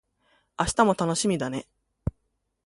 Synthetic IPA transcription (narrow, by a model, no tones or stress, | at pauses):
aɕi̥t̪amo̞t̪ano̞ɕimʲid̪ane̞